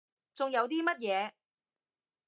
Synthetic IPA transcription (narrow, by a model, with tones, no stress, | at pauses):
t͡sʊ˨ŋjɐ˨˧wt̪iː˥mɐ˥t̚jɛː˨˧